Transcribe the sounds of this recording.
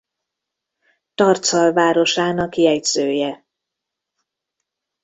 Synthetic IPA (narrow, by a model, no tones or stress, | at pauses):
t̪ɒrt̪sɒlvaːɾo̞ʃaːnɒkijɛjz̥øːjɛ